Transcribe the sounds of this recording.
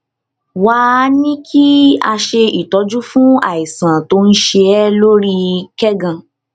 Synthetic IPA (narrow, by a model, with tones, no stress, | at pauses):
wa˨˦nĩ˦kʰi˦a˧ʃe˧i˨tɔ˨˧˦d͡ʒu˦fũ˦a̰˨i˨sã˨to˧˦n̩˦ʃe˧ɛ˦lo˦ɾi˦kɛ˦ɡã˧